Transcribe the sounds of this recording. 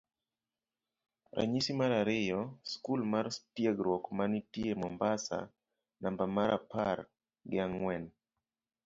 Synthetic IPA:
ɾʔa̰ɲisimaɾaɾɪjɔskulmaɾstjaɡɾwɔkmanitiemɔmbasa̰ | nambamaɾʔapaɾ | ɡɪaŋwɛn

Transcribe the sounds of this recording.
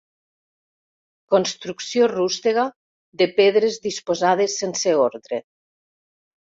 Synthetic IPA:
konst̪ɾuksjorust̪eɣa | ðepeðɾezðispozað̞esːenseoɾðɾe

